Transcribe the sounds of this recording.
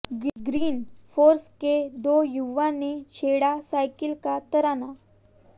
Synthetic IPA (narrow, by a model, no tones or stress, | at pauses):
ɡɾiːnfoɾsked̪ojuʋanet͡ɕʰeɽasajkilkat̪əɾana